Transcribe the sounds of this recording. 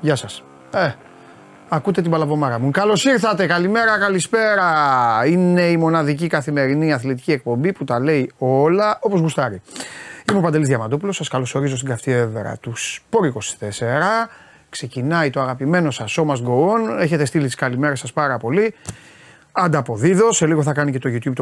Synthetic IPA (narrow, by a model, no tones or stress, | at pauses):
ʝɐsɐs | e | ɐkut̪e̞t̪ibɐlɐvo̞mɐɾɐmukɐlo̞siɾθɐt̪e̞kɐlime̞ɾɐkɐlispe̞ɾɐine̞imo̞nɐðicikɐθime̞ɾiniɐθlit̪i̥ciek̚po̞mbiput̪ɐle̞io̞lɐo̞po̞zɣust̪ɐɾiimupɐnd̪elizðʝɐmɐd̪o̞pulo̞sɐskɐlo̞so̞ɾizo̞st̪iŋɡɐft̪ie̞veɾɐ̰t̪uspo̞ɾiko̞si̥t̪e̞se̞ɾɐ | kse̞cinɐit̪o̞ɐɣɐpime̞no̞sɐso̞mɐzɡo̞one̞çe̞t̪e̞st̪ilit̪i̥skɐlime̞ɾɐsɐspɐɾɐpo̞li | ɐnd̪ɐpo̞ðiðo̞se̞liɣo̞θɐkɐnice̞t̪oʝut̪çub̚t̪o